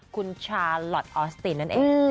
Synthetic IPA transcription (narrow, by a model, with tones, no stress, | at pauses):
kʰu˧nt͡ɕʰaː˧lɔ˨˩t̪̚ʔɔː˧st̪iː˧˩nːa˦˥nʔeː˧